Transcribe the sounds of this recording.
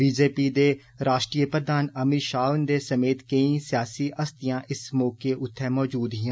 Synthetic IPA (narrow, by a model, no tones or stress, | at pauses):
biːd͡ʒeːpiːd̪eː | ɾaːʃʈɾiːjəpɾəd̪aːnəmiɾʃaːʊnd̪eːsəmeːt̪kəĩːsɪjaːsiːʔəst̪ijãːʔɪsmɔːkeʔʊt̪ʰːɛːmɔːd͡ʒuːd̪ɦɪãː